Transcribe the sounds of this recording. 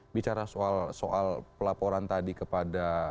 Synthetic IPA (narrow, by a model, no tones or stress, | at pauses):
bit͡ʃaɾasoalsoʔalpəlapoɾant̪adikəpada